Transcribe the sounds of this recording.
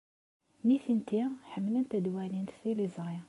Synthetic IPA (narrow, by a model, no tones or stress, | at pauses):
miθint̪iħəmlənt̪æd̪wænint̪θilizˤʁj